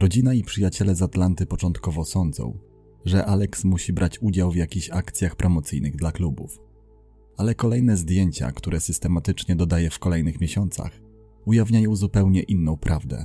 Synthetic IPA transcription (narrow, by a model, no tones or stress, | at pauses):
ɾɔd͡ʑinaipʂɘjat͡ɕɛlɛzat̪lant̪ɘpɔt͡ʂɔnt̪kɔvɔsɔnd̪zɔ̰̃w̃ | ʐɛʔalɛksmuɕibɾʔat͡ɕud͡ʑawvjakʲiɕakt̪sʲjaxpɾʔɔmɔt̪sɘjnɘɣd̪laklubṵf | alɛkɔlɛjnɛzd̪ʲjeɲt͡ɕa̰kt̪uɾɛsɘst̪ɛmat̪ɘt͡ʂɲɛd̪ɔd̪ajɛfkɔlɛjnɘxmʲjeɕɔnt̪sa̰x | ujavɲajɔ̃w̃zupɛwɲɛʔinːɔ̃w̃pɾʔavd̪ɛ̰